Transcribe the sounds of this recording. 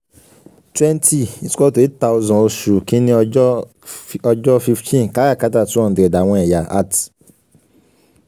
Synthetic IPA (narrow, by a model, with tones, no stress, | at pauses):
twɛ̃˦nti˦i˨sɔ˦˨to˨i˦ta˧˦o˧zɔ̃˨o˧ʃu˨kĩ˦nĩ˦ | ɔ˧d͡ʒɔ˦fi˧ftʰĩ˦n˨ka˨˦ɡa˦˨ka˦ta˦˨tu˨˦ɔ̃˦˨di˨ɛ˨da˨w̃ɔ̃˧ɛ˨ja˨a̰˦˨ti̥˨